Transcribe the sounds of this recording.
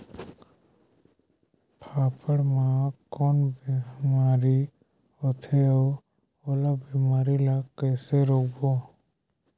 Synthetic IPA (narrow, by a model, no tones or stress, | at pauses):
pʰaːpʰəɽmãkɔːnbimaːɾi | ɦot̪ʰeoː | oːlabimaːɾilakɛːseɾoːkbo